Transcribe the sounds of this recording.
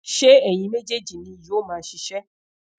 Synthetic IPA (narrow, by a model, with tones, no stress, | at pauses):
ʃe˦ɛ˨j̃ĩ˧me˦d͡ʒe˦d͡ʒi˨nĩ˧˨jo˦mãː˨˦ʃi˧ʃɛ˦